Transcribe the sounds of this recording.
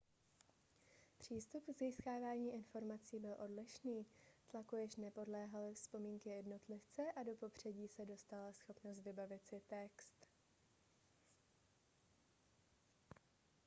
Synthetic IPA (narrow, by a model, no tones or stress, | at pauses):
pr̝̥iːst̪upziːskaːvaːɲiːʔɪnfo̞ɾmat͡siːbɪlʔo̞dlɪʃniːt̪lakujɪʃnɛpo̞dlɛːɦalɪfspo̞miːŋkɪjɛdno̞t̪lɪft͡sɛʔado̞po̞pr̝̥ɛɟiːsɛdo̞st̪alasxo̞pno̞s̬t̪vɪbavɪt̪sɪt̪ɛkst̪